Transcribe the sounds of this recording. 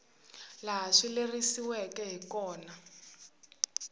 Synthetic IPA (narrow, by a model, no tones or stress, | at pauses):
laɦaʂilerisiwɛkɛɦikɔːna